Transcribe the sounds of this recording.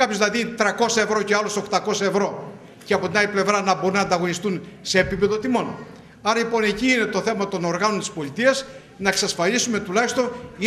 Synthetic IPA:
ɐpjozðilɐðit̪ɾɐko̞sɐevɾo̞ceɐloso̞kt̪ɐko̞sɐevɾo̞ | ceɐpo̞t̪inɐliple̞vɾɐnɐbo̞ɾunɐnd̪ɐɣo̞nist̪unse̞ːpipe̞ðo̞t̪imo̞n | ɐɾɐlipo̞ne̞ciːne̞t̪o̞θe̞mɐt̪o̞no̞ɾɣɐno̞nt̪i̥spo̞lit̪iɐs | nɐeksɐsfɐlisume̞t̪ulɐçist̪o̞ni

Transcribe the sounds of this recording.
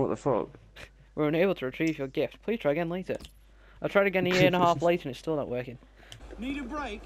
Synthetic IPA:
ɔ̰ʔðəfo̰k | wɪɹə̃neɪbl̩ˠtʰəɹɨtʰɹ̥ivjə˞ɡɪft̚pʰl̥iz̥tʰɹ̥aɪɡɛ̃nlˠeɪtɪ̰ | aɪtʰɹ̥aɪɾɨɡɛn̩ijɪɹɨ̃nəhaflˠeɪɾɨ̃nɨz̥stɪlˠnəʔwɜˑ˞kɪ̃ŋ | niɾɨbɹeɪk

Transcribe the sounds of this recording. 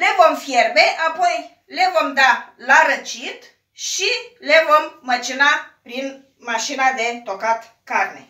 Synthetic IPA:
le̞vo̞mfjerbe̞ʔapo̞j | le̞vo̞md̪alaɾət͡ʃit̪ | ʃile̞vo̞mːət͡ʃinapɾin | maʃinad̪e̞t̪o̞kat̪ | karne̞̰

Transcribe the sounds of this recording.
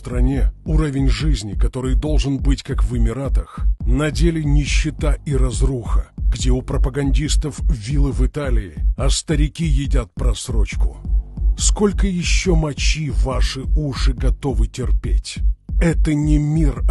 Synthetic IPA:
t̪ɾɐnʲeuɾəvʲɪnʲʐɨzʲnʲɪkɐt̪o̞ɾɨjd̪o̞lˠʐɨnbɨtʲkakvɨmʲɪɾat̪əxnɐdʲelʲɪnʲɪɕːɪt̪aiɾɐzruxəɡdʲeʊpɾəpəɡɐnʲdʲist̪əfvʲilˠɨvɨt̪alʲɪɪɐst̪əɾʲɪkʲijɪdʲat̪̚pɾɐsɾo̞t͡ɕkʊsko̞lʲkəjɪɕːomɐt͡ɕivaʂɨuʂɨɡɐt̪o̞vɨtʲɪrpʲetʲɛt̪ənʲɪmʲir

